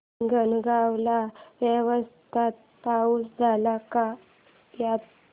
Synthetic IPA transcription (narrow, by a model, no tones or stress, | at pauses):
ɡənɡawlaʋjeʋəst̪ʰat̪̚pauːsd͡zʱalaka | jat̪